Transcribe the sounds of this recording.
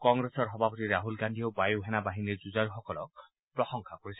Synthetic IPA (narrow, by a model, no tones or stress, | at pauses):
kɔŋɡɾesɔɾɦɔbʱapɔt̪iɾaɦulɡandʱiobajuɦenabaɦiniɾd͡ʒud͡ʒaɾuxɔkɔlɔk | pɾɔsɔŋkʰakoɾisʰi